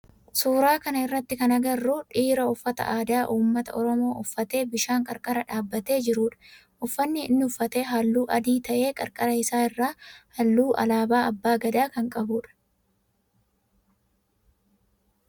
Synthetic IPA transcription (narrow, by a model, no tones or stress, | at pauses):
suːɾaːkɐnɐɪrːɐt̪ːɪkɐnɐɡɐrːuːᶑiːɾɐʊfːɐt̪ɐ̰ʔaːd̪aːʔuːmːɐt̪ɐ̰ʔɔɾɔmo̞ːʔʊfːɐt̪e̞ːbɪʃaːŋkʼɐɾkʼɐɾɐᶑaːbːɐt̪e̞ːd͡ʒɪɾuːᶑɐ̥ | ʔʊfːɐnːɪɪnːɪʊfːɐt̪eːɦɐlːuːʔɐd̪iːt̪ɐʔe̞ːkʼɐɾkʼɐɾɐɪsaːɪrːaːhɐlːuːʔɐ̰laːbaːɐbːaːɡɐd̪aːkɐŋkʼɐbuːᶑɐ̥